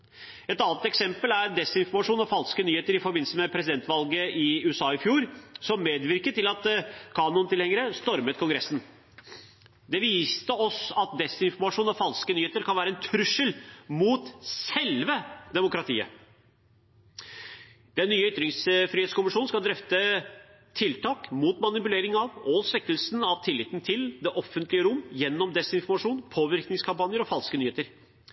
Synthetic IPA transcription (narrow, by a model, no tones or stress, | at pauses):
ɛt̪ɑnət̪ɛksɛmpəlæɾd̪ɛsɪnfɔɾmɑʂuːnɔfɑlskənyːheːt̪əɾɪfɔɾbɪnəsəmɛpʰɾɛsɪd̪ɛnt̪ʋɑlɡəʔɪʉːəsɑːɪfjuːɾsɔmːeːd̪ʋɪɾkəʈ̪ɪlɑt̪kʰɑːnʊnt̪ɪlhɛŋːəɾəst̪ɔɾmət̪kʰʊŋɡɾɛsːn̩ | d̪ɛʋiːst̪əɔsɑt̪̚d̪ɛsɪnfɔɾmɑʂuːnɔfɑlskənyːheːt̪əɾkʰɑnʋæːɾəɛnt̪ʰɾɾʉʂəlmuːt̪sɛlʋəd̪ɛmʊkɾɑt̪ʰḭːə̰ | d̪̥ɛnːyːəʏt̪ɾɪŋsfɾiheːt̪skʊmɪʂuːnn̩skɑld̪ɾɛft̪ə | t̪ʰɪlt̪ʰɑːkmuːt̪mɑnɪpʉleːɾɪŋɑʋɔsʋɛkːəlsnɑʋt̪ʰɪlːɪːt̪ːn̩t̪ʰɪld̪ɛʔɔfːənt̪lɪəɾʊmːjɛnːɔmd̪ɛsɪnfɔɾmɑʂuːnpʰoːʋɪɾknɪŋskʰɑmpɑnjəɾɔfɑlskənyːheːt̪əɾ